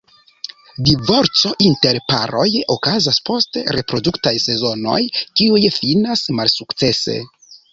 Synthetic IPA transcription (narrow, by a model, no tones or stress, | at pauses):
divo̞ɾt͡so̞ʔinte̞ɾpa̰ɾo̞jokazaspo̞steɾe̞pɾo̞duktajse̞zo̞no̞̰jkiujfinasmalsukt͡se̞se̞̰